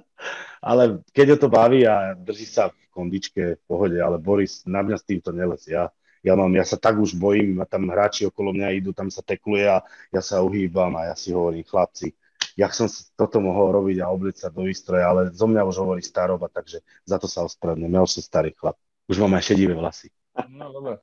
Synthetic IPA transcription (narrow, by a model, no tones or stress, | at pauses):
a̰lɛkɛɟɦɔt̪ɔbaʋiːad̪r̩ʒiːsafkɔnd̪it͡ʃkɛfpɔɦɔɟɛa̰lɛbɔɾisnamɲast̪iːmt̪ɔɲɛlɛzja | jamaːmjasat̪aɡuʒbɔjiːmat̪amɦɾaːt͡ʃiɔkɔlɔmɲaid̪uːt̪amsat̪ɛklujɛajasauɦiːbamajasiɦɔʋɔɾiːmxlap̚t͡si | jaksɔmsi̥t̪ɔt̪ɔmɔɦɔlɾɔbiɟaɔblɛcsad̪ɔʋiːst̪ɾɔjaalɛzɔmɲauʒɦɔʋɔɾiːst̪aɾɔbat̪aɡʒɛ | zat̪ɔsaɔspɾɛdɲɛmjauʃsɔmst̪aɾiːxla̰p̚ | uʒmaːmajʃɛɟiːʋɛʋla̰si̥ | d̪ɔbɾɛ